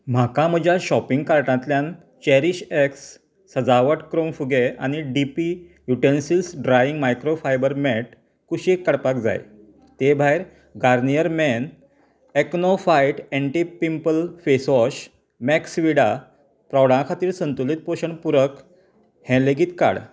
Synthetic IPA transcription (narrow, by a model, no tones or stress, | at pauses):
m̤akãm̤əd͡ʑʱjaɕɔpiŋɡkaɾʈãt̪ljãn | t͡ɕɛɾiɕeksː | əd͡zaʋəʈkɾomfuɡea̰ñiɖipi | juʈensilsɖɾaiŋɡmajkɾofajbəɾmɛʈ̚ | kuɕiekːəɽpak̚d͡za̰j̰ | t̪ebʱajɾ | ɡaɾnijəɾmɛn | eknɔfajʈɛ̃ɳʈipimpəlfesɔɕ | mɛksʋiɽa | pɾɔɽãkʰat̪iːɾsənt̪ulit̪̚poɕəɳpuɾək | hɛ̃leɡiːt̪ka̰ɽ